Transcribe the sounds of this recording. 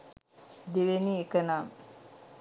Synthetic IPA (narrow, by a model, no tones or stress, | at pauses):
d̪iʋeniekənam